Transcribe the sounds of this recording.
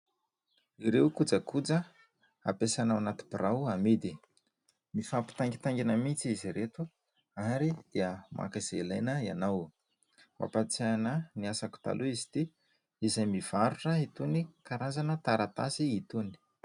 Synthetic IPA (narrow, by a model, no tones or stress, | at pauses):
iɾewkud͡zəkud͡zə | a̰pesanawanat̪i̥b̥iɾʔawamid̪i | mifapi̥t̪aŋɡit̪aŋɡinəmit͡siiziɾet̪u | aɾid̪iamʔa̰kəzelajnəianaw | ma̰pat͡sanəniasaku̥t̪a̰lʔuizi̥t̪i | izajmiv̥aɾuʈ͡ʂəit̪unikaɾazanət̪aɾat̪a̰siit̪uni̥